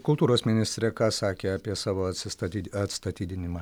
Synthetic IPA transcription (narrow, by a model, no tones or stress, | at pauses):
kʊlˠt̪uːɾoːsmʲɪnʲɪst̪ʲɾʲɛkɑːsɑːkʲeːɐpʲiɛsɑːʋoːɐt̪sʲɪst̪ɐt̪ʲiːɐt̪st̪ɐt̪ʲiːd̪ʲɪnʲɪmɑː